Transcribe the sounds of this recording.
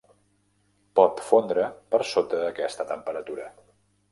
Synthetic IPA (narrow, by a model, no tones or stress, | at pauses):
pɔt̪fond̪ɾəpəɾsot̪əːkɛst̪ət̪əmpəɾət̪uɾə